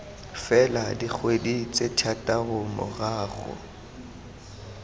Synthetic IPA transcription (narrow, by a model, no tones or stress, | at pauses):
fɛladik͡xʰwedit͡sʼetʰatʼaʊmɔ̰ɣaːɣʊ̰